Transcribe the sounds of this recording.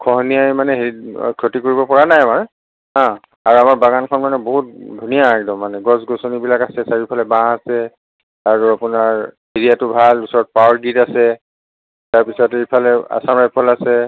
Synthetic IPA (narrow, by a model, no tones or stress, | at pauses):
kʰɔɦnijajmanɛɦiɹḭkʰɹotikoɹibɔpɔɹanajamaɹ | ɦã | aɹuamaɹbaɡankʰɔnmanɛboɦut̚dʱunijaaɡidɔmanɛɡɔsɡosonibilakasɛsaɹipʰalɛbãasɛ | aɹuapʊnaɹɦiɹijatʊbʱalusɔɹɔt̚paɔɹɡidasɛ | taɹpisɔteipʰalɛa̰samɹajpʰɔlasɛ